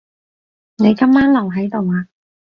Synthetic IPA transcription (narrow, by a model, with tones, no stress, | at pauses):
ne˨˧jkɐ˥mːaː˥nlɐ˨˩wɦɐ˨˥jt̪o˨waː˧